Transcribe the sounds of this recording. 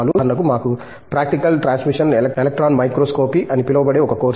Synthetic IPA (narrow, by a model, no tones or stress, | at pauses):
lunlɐkumaːku | pɾaːk̚ʈikɐlʈɾaːnsmiʂɐnelɐelɐk̚ʈɾaːnmɐjkɾoːskoːpiʔɐnipilɐʋɐbɐɽe̞ːɔkɐkoːɾ